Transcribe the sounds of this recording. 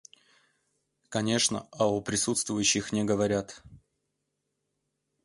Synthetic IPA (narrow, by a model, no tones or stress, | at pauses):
kɐnʲe̞ʂnə̰ɐʊpɾʲɪsut̪st̪vʊjʉɕːɪxnʲɪɡəvɐɾʲat̪